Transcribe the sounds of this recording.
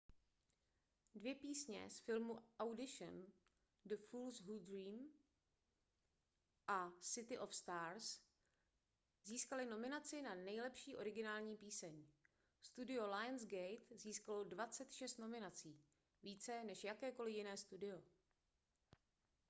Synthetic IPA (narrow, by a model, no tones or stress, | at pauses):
dvjɛpiːsɲɛ̰sfɪlmuʔawdɪʃɛn | dəfuːlsɦud̪ɾiːm | ʔasɪt̪ɪʔofst̪aːɾs | ziːskalɪno̞mɪnat͡sɪnanɛjlɛpʃiːʔo̞ɾɪɡɪnaːlɲiːpiːsɛɲ | st̪udɪo̞lajɛnsɡɛjt̪ziːskalodvat͡sɛt̪ʃɛst̪no̞mɪnat͡siː | viːt͡sɛnɛʃjakɛːko̞lɪjɪnɛːst̪udɪo̞